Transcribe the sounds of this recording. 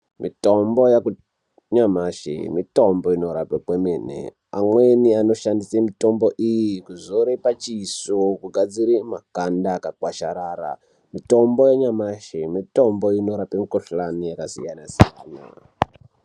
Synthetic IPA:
mʔḭtombo̞jaku | ɲamaʃḛmito̞mboinoɾapekwemenḛ | a̰mweniano̞ʃandisemito̞mboʔijikuzoɾepat͡ʃisokuɡʱad͡ziɾimakandakakwaʃaɾaːra̰ | mito̞mbojeɲamaʃemito̞mbo̞ino̞ɾapemikoɬlanijakasḭjanasija̰ːna̰

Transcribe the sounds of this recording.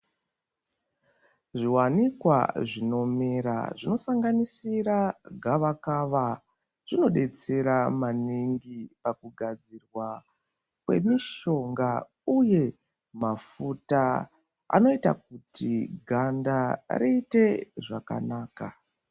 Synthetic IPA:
ʐiwanikwa̰ʐino̞meɾa̰ʐino̞saŋɡanisiraɡʱaʋakaʋa | ʐ̥ino̞ɗe̞t͡se̞ɾamaniŋɡipakuɡʱad͡zirwa | kwe̞̰miʃo̞ŋɡa | uje̞ | mafuta | a̰no̞ita̰k̚utiɡʱandariite̞ʐaka̰naːka

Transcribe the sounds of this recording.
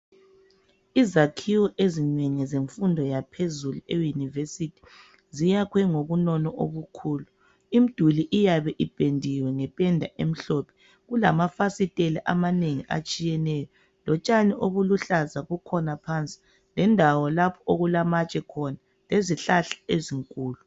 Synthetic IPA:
izakʰiwɔʔezineŋɛzeɱfundʱɔjapʰezuluejunivesitʰi̥ | zijakʰwɛŋoβunɔnɔʔo̰βukʰuːlu | im̩d̥ʱuliʔijaβɛʔib̥ʱendʱiwɛŋɛpʼɛndʱaʔem̩ɬɔpʰɛ̥ | ɣulamafasitʼelɛʔamaneŋiʔa̰t͡ʃʼijɛnɛːjɔ | lɔt͡ʃʼaniʔoβuluɬazaɣukʰɔnapʰant͡sʼi̥ | lɛndʱawɔlapʰɔoɣulamat͡ʃʼɛkʰɔna | leziɬaɬḁeziŋkʼuːlu

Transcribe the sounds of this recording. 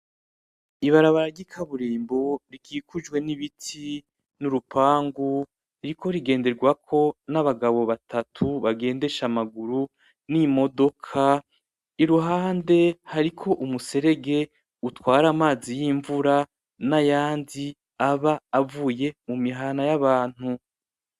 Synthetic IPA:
iβaɾaβaɾaɟikʰaβuɾiːmbo̞ɾikʰiːkud͡ʒɡwe̞niβitʰi | nuɾupʰaːŋɡu | iɾiko̞ɾiɡe̞ːnde̞ɾɡwakʰo̞naβaɡaβo̞βatʰatʰuβaɡe̞ːnde̞ʃamaɡuɾu | nimo̞do̞kʰa | iɾuɦaːnde̞haɾikʰo̞ʔumuse̞ɾe̞ɡe̞ | utwaːɾamaːzijiɱvuɾa | najaːndi | aβaːvuːje̞mumiɦaːnajaβaːn̥hu

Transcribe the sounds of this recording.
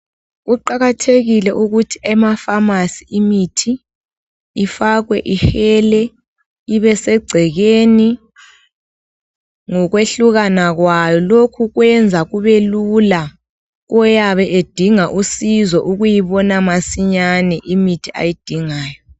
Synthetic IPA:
ɣuǃaɣatʰeɣilɛʔuɣutʰi̥ɛmafamasiimitʰi | ifaɣwɛ̰ʔixɛlɛ | iβɛsɛɡ͡ǀʱɛɣeːni | ŋɔɣweɬuɣanaɣwajɔlokʰuɣwɛnd͡zʱaɣuβelula | ɣɔjaβɛʔed̥ʱiŋaʔusizɔʔuɣujiβɔnamasiɲanɛʔimitʰia̰jid̥ʱiŋaːjɔ

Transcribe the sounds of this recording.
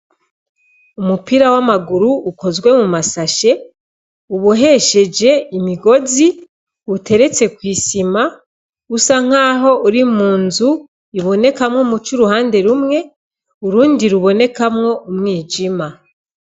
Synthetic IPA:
umupiɾawamaɡuɾuuko̞zɡwe̞mumasaʃe̞ | uβuɦe̞ʃe̞d͡ʒe̞imiɡo̞zi | ute̞ɾe̞t͡se̞kwiːsima | usaŋ̥aːɦo̞uɾimuːnzu | iβo̞ne̞kamŋomut͡ʃuɾuhaːnde̞ɾumŋe̞ | uɾuːndiɾuβo̞ne̞kamŋo̞ʔumŋiːd͡ʒima

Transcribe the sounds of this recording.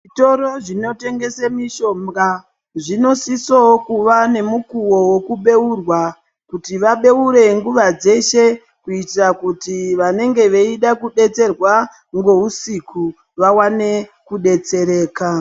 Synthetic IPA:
ʐito̞ɾo̞ʐino̞te̞ŋɡe̞semiʃo̞mɡa | ʐino̞sisokuʋane̞mukuwo̞weokuɓe̞urwa | kutiʋaɓe̞uɾe̞ŋɡuʋad͡ze̞ʃe̞ | kuitrakutiʋane̞ŋɡe̞ʋeiɗakuɗe̞t͡se̞rwa | ŋɡo̞usikʰu | ʋawane̞ | kuɗe̞t͡se̞ɾe̞ːka

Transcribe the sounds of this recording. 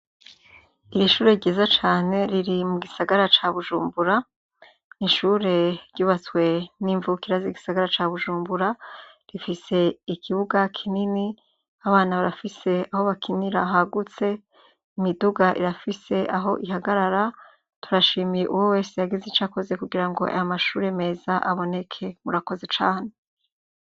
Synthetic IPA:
iɾiʃuːɾe̞ɾɟiːzat͡ʃaːne̞ɾiɾimuɡisaɡaɾat͡ʃaβuʒuːmbuɾa | niʃuɾe̞ɾɟuːβat͡swe̞niɱvukiɾaziɡisaɡaɾat͡ʃaβuʒuːmbuɾa | ɾifise̞ikʰiβuɡakʰinini | aβaːnaβaɾafise̞aho̞βakiniɾaɦaɡut͡se̞ | imiduɡaʔḭɾafise̞ʔaɦo̞̰ʔiɦaɡaɾaɾa | tuɾaʃiːmijeʔuwowe̞ːsejaɡizet͡ʃako̞ze̞kuɡiɾaŋɡo̞̰ʔa̰jomaʃuːɾeme̞ːzaʔaβo̞ne̞kʰe̞muɾako̞ze̞t͡ʃaːne

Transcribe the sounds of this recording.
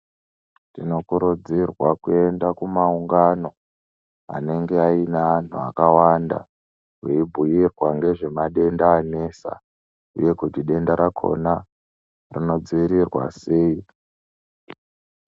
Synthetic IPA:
tino̞kuɾud͡zirwakue̞ndakumauŋɡano̞ | a̰ne̞ŋɡe̞ainaːn̤ua̰kawanda̰ | weibʱujirwaŋɡe̞ʐe̞maɗe̞ndaːne̞sa̰ | ṵje̞kutiɗe̞ndaɾakʰo̞̰na | rino̞d͡ziiɾirwa̰se̞ːi

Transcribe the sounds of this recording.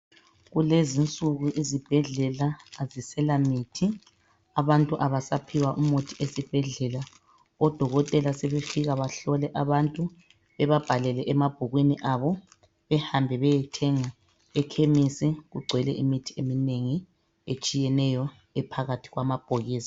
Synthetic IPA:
ɣulezint͡sʼuɣuʔizib̥ʱɛɮɛlaːzisɛlamitʰi | aβantʼuʔaβasapʰiwaʔumotʰiʔesib̥ʱɛɮɛla | ɔd̥ʱɔɣɔtʼɛlasɛβefiɣaβaɬɔlɛʔaβantʼu | βɛβab̥ʱalɛlɛʔɛmab̥ʱoɣwiniʔaβɔ | βɛhambʱɛβɛjɛtʰɛŋa | ɛkʰemisiɣuɡ͡ǀʱwɛlɛ̰ʔimitʰi̥emineŋi | et͡ʃʼijɛnɛjɔ | ɛpʰaɣatʰi̥ɣwamab̥ʱoɣiːsḁ

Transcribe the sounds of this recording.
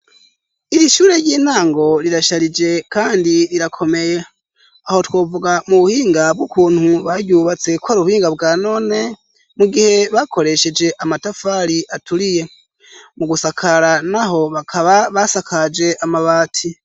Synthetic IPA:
iɾiʃuːɾe̞ɾɟiːnaːŋɡo̞ɾiɾaʃaɾid͡ʒe̞kaːndiɾiɾakʰo̞me̞je̞ | aho̞two̞ːvuɡamuβuhiːŋɡab̚ɡukuːn̥huβaɾɟuːβat͡se̞kwaɾuβuhiːŋɡabɡaːno̞ːne̞ | muɡihe̞βakʰo̞ɾe̞ʃe̞d͡ʒe̞ʔamatafaːɾiʔatuɾije̞ | muɡusakʰaɾanaɦo̞βakʰaβaβasakʰad͡ʒe̞ʔamaβaːtʰi

